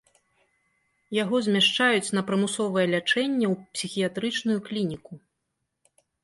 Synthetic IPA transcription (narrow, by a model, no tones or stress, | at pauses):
jaɣɔzʲmʲaʂt͡ʂajut͡sʲn̪ɐpɾɐmusɔvɐjɛlʲat͡ʂɛnʲːɛwpsʲixʲijat̪ɾɨt͡ʂnujuklʲinʲiku